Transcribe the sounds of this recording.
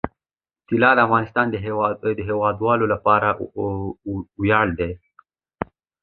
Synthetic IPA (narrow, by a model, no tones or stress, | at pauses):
t̪ɪlɑd̪əafɣɑnɪst̪ɑːnd̪əd̪əɦewɑd̪wɑlolapɑɾa | wjɑɽd̪e